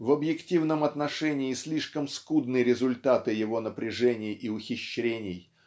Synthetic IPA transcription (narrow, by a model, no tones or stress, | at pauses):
vəbjɪktʲivnəmɐt̪nɐʂɛnʲɪːsʲlʲiʂkəmskud̪nɨɾʲɪzʊlʲt̪at̪ɨjɪvo̞nəpɾʲɪʐɛnʲɪjɪʊxʲɪɕːɾʲenʲɪj